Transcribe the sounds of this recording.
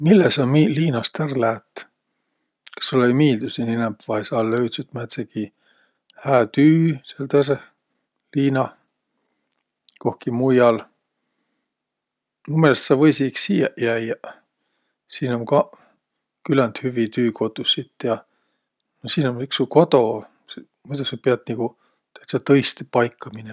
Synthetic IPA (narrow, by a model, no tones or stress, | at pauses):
milːesɑmiliːnɑst̪ærlæːt̪ː | kɑ̥solejmiːld̪usiːninɛmpvɑjsɑːlløyt̪sit̪mæt̪seki | hæːt̪yːselt̪æse | liːnɑ | ko̞hkimujɑl | numelst̪sɑvɤjsiksijæjɑ | siːnomkɑ | kylænt̪hyvit̪yːko̞t̪usit̪ːˑjɑ | nosiːnomiksuko̞t̪o̞ | s | mut̪ɑsepiɑd̪niku | t̪ø̥t̪sɑt̪ɤjst̪epɑjkːɑmine